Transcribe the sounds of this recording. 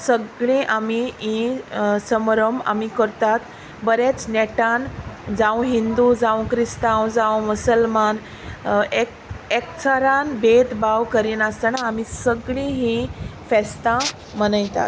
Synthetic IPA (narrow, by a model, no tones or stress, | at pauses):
səɡɭĩʔamiɦĩsəmɾəma̰mikəɾt̪at̪ | bəɾet͡snɛʈand͡zãw̃ɦind̪ud͡zãw̃kɾist̪awd͡zãwmusəlman | ek | ekt͡sʰaɾanbet̪baʋkəɾiːnast̪ənaːmisəɡɭĩɦĩfɛst̪a | mənajt̪a̰t̪